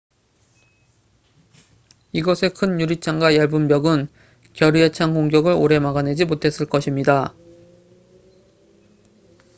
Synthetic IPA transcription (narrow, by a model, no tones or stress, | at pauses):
iɡʌsʰe̞kʰɯnjuɾit͡ɕʰaŋɡwajʌɭbumbjʌɡɯn | kjʌɾiet͡ɕʰaŋɡoŋɡjʌɡɯɾo̰ɾe̞maɡane̞d͡ʑimotʰe̞s͈ɯɭk͈ʌɕʰimɲida